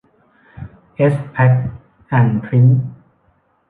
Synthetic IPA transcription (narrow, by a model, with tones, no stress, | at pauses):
ʔe˦˥spʰɛ˦˥k̚ | ʔa˨˩npʰɾi˦˥n